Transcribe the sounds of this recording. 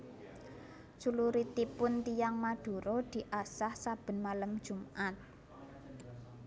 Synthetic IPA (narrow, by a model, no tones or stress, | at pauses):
t͡ʃuluɾit̪ipʊnt̪ijaŋmaɖ̥ṳɾɔd̪̥i̤ʔasahsab̥ə̤nmaləmd̥ʒ̥ṳmʔat̪̚